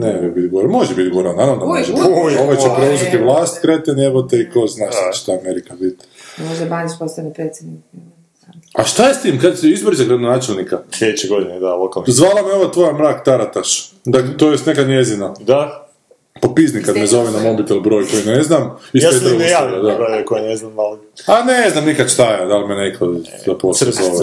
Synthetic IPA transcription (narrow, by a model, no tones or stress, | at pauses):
neojebit̪ɡoɾmo̞ʒebit̪ɡoɾananod̪amoʒeoʋajt͡ʃepɾeuzet̪iʋlˠaːst̪kɾet̪eneʋot̪eikoznaːʃt̪at͡ʃe̥ʃt̪aːmeɾikabit̪ | moʒɛbaɲispost̪anipɾeːt̪sʲed̪nik | aʃt̪ajest̪iːmkad̪seizbɾrzaɡɾad̪onaːt͡ʃelˠnikaslʲed̪et͡ʃeɡod̪ined̪alˠokalˠnzʋaːlˠameoʋat̪ʋojamɾaːkt̪aɾat̪aʃ | d̪aklet̪ojest̪nekad̪njezinad̪a | popiznikad̪mezo̞ʋinamobit̪ilbɾo̞ːjko̞jineznamiʃaeeejaajad̪aɡoekojineznamalaneznamnikad̪ʃt̪ajed̪almenekʰozaposezoʋe